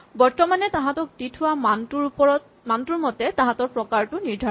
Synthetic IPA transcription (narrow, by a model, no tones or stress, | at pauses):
bɔɹtɔmanɛtaɦãtɔk̚ditʰʊwamatuɹɔɔt | mantuɹmɔtɛtãɦãtɔɹpɹɔkaɹtʊniɹdʱa